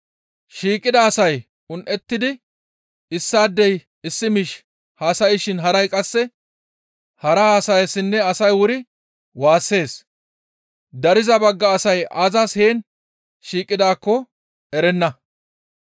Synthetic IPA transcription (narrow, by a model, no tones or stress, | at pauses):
ʃiːkʼɪd̪ɐːsɐj | ʊnʔɛt̪ːɪd̪ɪ | ɪsːaːd̪ːɛj | ɪsːɪmɪʃ | haːsɐjɪʃɪnɦɐɾɐjkʼɐsːɛ | hɐɾɐhaːsɐjɐsːɪnːɛɐsɐjwʊɾɪ | waːsːe̞ːs | d̪ɐɾɪzɐbɐɡːɐːsɐjaːzashe̞ːn | ʃiːkʼːɪd̪aːkːɔ | ɛɾɛnːɐ